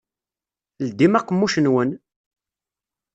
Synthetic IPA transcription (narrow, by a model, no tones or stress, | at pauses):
ld̪imæqːəmːuʃənwən